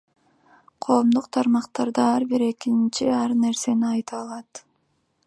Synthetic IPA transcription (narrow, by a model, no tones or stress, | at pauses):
qʰo̞ːmd̪uqt̪ʰɑɾmɑqt̪ɑɾd̪ɑɑɾbiɾe̞kint͡ʃiɑɾne̞ɾse̞niɑjt̪ɑːlˠɑt̪